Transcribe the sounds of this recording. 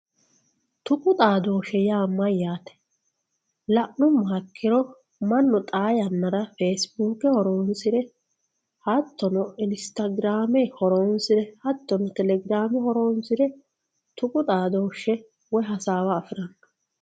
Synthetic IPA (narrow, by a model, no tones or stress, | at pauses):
t̪ʊkʼʊt̪ʼaːd̪oːʃɛjaːmːɐjaːt̪ɛ̥ | lɐʔnʊmɐkʰːɪɾɔ | mɐnːɔt̪ʼaːjɐnːɐɾɐfeːsbuːkːɛhɔɾoːnsɪɾɛ | hɐt̪ːɔnɔɪnɪst̪ɐɡɪɾaːmɛhɔɾoːnsɪɾɛhɐt̪ːɔnɔt̪ɛlɛɡɪɾaːmɪhɔɾoːnsɪɾɛ | t̪ʊkʼʊt̪ʼaːd̪oːʃɛ | wɔjɦɐsaːwaːfɪɾɐnːɐ̥